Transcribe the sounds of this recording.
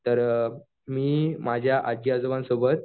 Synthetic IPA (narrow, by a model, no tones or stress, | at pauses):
t̪əɾ | miːmad͡ʑʱjaʔad͡ʑjad͡zəʋãnsobət̪̚